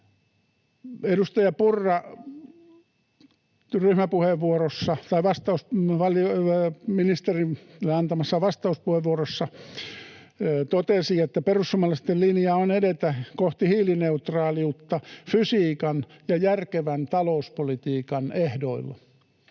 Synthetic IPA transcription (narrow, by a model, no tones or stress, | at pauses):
edust̪ɑjɑpurːɑ | ryhmæpuheʋːuorosːɑt̪ɑiʋɑst̪ɑusʋɑlominist̪erinlːeɑnt̪ɑmɑsːɑʋɑst̪ɑuspuheʋʋuorosːɑ | t̪ot̪esiet̪ːæperusːumɑlːˑɑst̪ellinjɑːonedet̪ækoht̪ihiːlineut̪rɑːliut̪ːɑfysiːkɑn | jɑjærkeʋænt̪ɑlouspolit̪iːkɑnehdoilːɑ̰